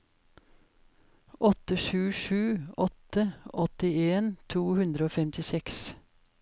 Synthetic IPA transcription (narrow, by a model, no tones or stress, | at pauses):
ʔɔt̪əʃʉːʃʉːɔt̪əɔt̪ɪeːnt̪ʰuːhʉnd̪ɾəoːfɛmt̪ɪsɛks